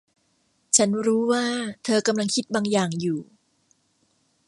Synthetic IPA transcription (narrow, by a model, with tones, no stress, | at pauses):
t͡ɕʰa˦˥nɾuː˦˥waː˥˩t̪ʰɤː˧ka˧mla˧ŋkʰi˦˥t̪̚baː˧ŋjaː˨˩ŋjuː˨˩